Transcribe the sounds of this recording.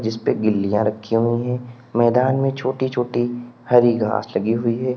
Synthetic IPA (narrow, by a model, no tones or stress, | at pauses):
d͡ʒɪspeɡɪlːijãɾɐkʰːiɦʊĩɦɛ̃ː | mɛːd̪aːnmẽt͡ʃʰoːʈit͡ʃʰoːʈihɐɾiɡa̰ːslɐɡiɦʊiɦɛː